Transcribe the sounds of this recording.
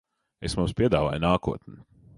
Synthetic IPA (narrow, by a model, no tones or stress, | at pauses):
esmumspʲiɛd̪aːva̰ːjnaːkuɔt̪nʲɪ